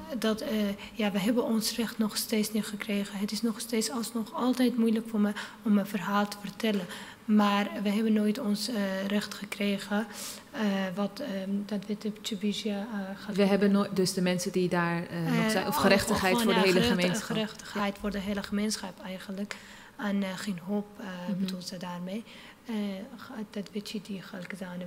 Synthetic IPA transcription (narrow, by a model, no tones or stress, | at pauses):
dɑt | jaʋəɦɛbənɔnsrɛχtnɔχsteːsniχəkreːχəɦətɪsnɔχsteːtsɑlˠsnɔχɑlˠtɛjtmujləkfoːɹmə | ɔməfərɦaːlˠtə̥fərtɛlə | maːrʋəɦɛbənːoːjtɔnsrɛχtχəkreːχə | ʋɔtdɔtʋɪtəptybizjaχəʋəɦɛbənodøsdəmɛnsədidaːɹɛjɔfχəɾɛχtəχhɛjoːɹdəɦeləenəɛχtə̥χhɛjtfʊːrdəɦeːləχəmensχɑpɛjχənlək | ɛnχeːnɦoːpbətulˠsədaːrmej | dɔtʋɪtjidiχəlkəzaːnə